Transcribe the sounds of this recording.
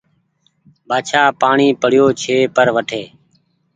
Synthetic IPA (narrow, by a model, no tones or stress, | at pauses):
bʱaːt͡ʃʰaːpaːɳiːpəɽ̤joːt͡ʃʰeːpəɾʋəʈʰeː